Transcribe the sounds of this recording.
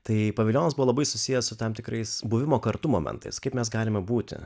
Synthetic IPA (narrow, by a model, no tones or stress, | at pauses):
t̪ɐɪpɐʋʲɪlʲoːnɐsbʊʋoːlˠɐbɐɪsʊsʲɪjɛssʊt̪ɐmt̪ʲɪkɾɐɪsbuːʋʲɪmoːkɐɾt̪umo̰ːmʲɛ̰nt̪ɐ̰ɪskɐɪpmʲɛsɡɑːlʲɪmʲɛbuːt̪ʲɪ̰